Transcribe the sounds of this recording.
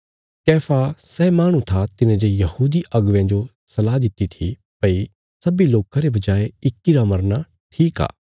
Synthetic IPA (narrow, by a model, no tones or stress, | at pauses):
kɛːfʰasɛːmaːɽ̃ũt̪ʰat̪ɪnẽd͡ʒejɐhuːd̪iʔɐɡʋjãd͡ʒo | sɐlaːd̪ɪt̪it̪ʰi | pɐi | sɐbiloːkãɾebɐd͡ʒaːeɪkːiɾamɐɾna | ʈʰiːka̰ː